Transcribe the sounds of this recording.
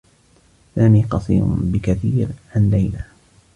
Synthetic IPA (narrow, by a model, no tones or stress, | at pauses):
saːmiːqɑsˤḭːɾʊ̰nbɪkaθiːɾʕanlajla